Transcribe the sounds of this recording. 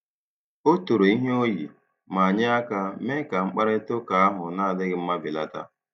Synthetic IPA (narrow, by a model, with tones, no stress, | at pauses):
o˦tu˨ɾo˨i˦ɦe˦o˦jḭ˨ | ma˨a˨ɲɪ˦a˦ka˦me˦ka˨ŋ͡m̩˦k͡pa˦ɾe˦to˦ka˨a˦ɦʊ˨na˦a˨dɪ˦ɣɪ˦m̩˦ma˦bɪ˨la˦ta̰˦